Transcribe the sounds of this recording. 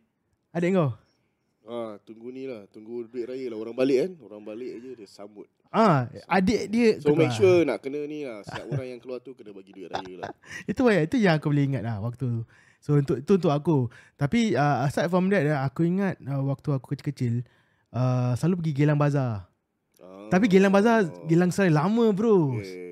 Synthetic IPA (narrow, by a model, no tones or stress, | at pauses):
adɛʔ̚ŋɡaw | at̪uŋɡunĩlaht̪uŋɡuduɪt̪̚ɾajəlaɦoɾaŋbalɪʔkanoɾaŋbalɪʔd͡ʒədəsamʊt̪̚ | ãadɛʔdiəksumekʃənaʔkənə̃nilahsaʔoɾaŋjaŋkəluat̪ukənəbaɡiduɪt̪̚ɾajəlait̪uwajaʔit̪ujaŋakubəljaiŋat̪̚lahwak̚t̪u | sount̪ʊʔit̪uunt̪ʊkakut̪apiəːsat̪̚fɔmdaʔaakuiŋat̪̚əwak̚t̪uaku̥kət͡ʃɪ̥lkət͡ʃɪl | əsəlalup̬əɡiɡelaŋbaza | t̪ap̬iɡelaŋbazaɡelaŋslalamə̃bəɾus